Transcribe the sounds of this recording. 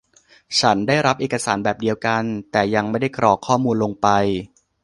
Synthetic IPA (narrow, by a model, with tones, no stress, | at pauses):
t͡ɕʰa˦˥ndaː˥˩jɾa˦˥p̚ʔeː˨˩ka˧saː˩˦nbɛː˨˩p̚di˧əwka˧nt̪ɛː˨˩ja˧ŋma˥˩jda˥˩jkɾɔː˨˩kʰːɔː˥˩muː˧nlo˧ŋpa˧j